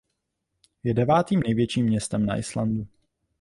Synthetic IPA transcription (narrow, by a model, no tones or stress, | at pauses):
jɛdɛvaːt̪iːmnɛjvjɛt͡ʃiːmːɲɛst̪ɛmna̰ʔɪslandu